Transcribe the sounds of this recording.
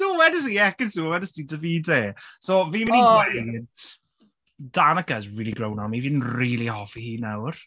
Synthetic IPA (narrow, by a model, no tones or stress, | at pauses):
d̥uːwɛdəs̬iɛkənsuwɛdəsdidəviːdeːsoviːmɪniant | d̥anəkazɹiːlˠiɡrɾownamivinriːlˠihɔfihiːnawr